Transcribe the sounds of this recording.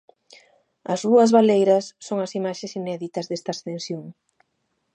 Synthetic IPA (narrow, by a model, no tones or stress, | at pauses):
ɐzðuɐzβalejɾɐsːoŋɐsimaʃesinɛðit̪ɐzðest̪ɐst̪ensjoŋ